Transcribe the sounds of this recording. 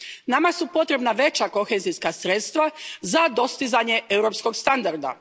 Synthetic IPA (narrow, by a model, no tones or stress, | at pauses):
namasupo̞t̪ɾe̞bnaʋe̞t͡ɕako̞xezijskasɾet̪st̪ʋazad̪o̞st̪izaɲe̞euɾo̞psko̞ɡst̪and̪aɾd̪a̰